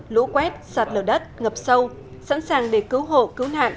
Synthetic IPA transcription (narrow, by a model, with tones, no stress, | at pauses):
lṵ˧˥kwɛ˦˥t̚saː˨˩t̚ləː˨˩ɗə˦˥t̚ŋə˨˩p̚sə˧w | sa̰˧˥nsaː˨˩ŋɗe˧˩kɨ˨˦wɦo̰˧˨kɨ˨˦wna̰ː˧˨nʔ